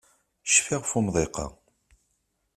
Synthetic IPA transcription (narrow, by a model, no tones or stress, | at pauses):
ʃfɪʁfumðˤeqɑ̰